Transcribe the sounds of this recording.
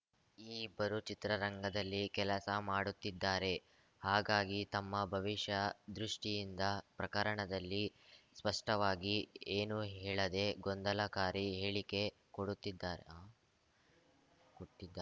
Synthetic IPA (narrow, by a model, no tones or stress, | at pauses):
iːbɐɾut͡ʃit̪ɾɐɾɐŋɡɐd̪ɐlːikɛlɐsɐmaːɽut̪ːid̪ːaːɾe̞ | haːɡaːɡit̪ɐmːɐbʱɐʋiʂjɐd̪ɾuʂʈijind̪ɐpɾɐkɐɾɐɳɐd̪ɐlːispɐʂʈɐʋaːɡieːnuɦɛːɭɐd̪e̞ɡond̪ɐlɐkaːɾiɦeːɭike̞ | koɽut̪ːid̪ːaːɾḛː | koʈːid̪ːa